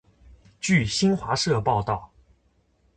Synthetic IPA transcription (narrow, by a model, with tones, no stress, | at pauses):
t͡ɕy˥˩ɕi˥nxwa˧˥ʂɤ˥˧pɑ˥˧ʊt̪ɑ˥˩ʊ